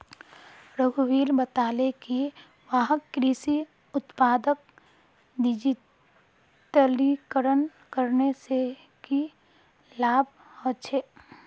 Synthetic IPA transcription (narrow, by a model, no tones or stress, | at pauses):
ɾəɡʱuʋiːlbət̪aːleki | ʋaɦəkːɾiːsi | ʊt̪paːd̪ək̚ | dɪd͡ʒi | ʈəlikəɾən | kəɾnese | ki | laːb | hot͡ʃʰeː